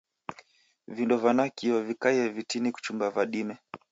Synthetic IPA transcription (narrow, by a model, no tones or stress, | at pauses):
vindɔvanakiɔvikaiɛvitiniku̥t͡ʃumbavaɗimɛ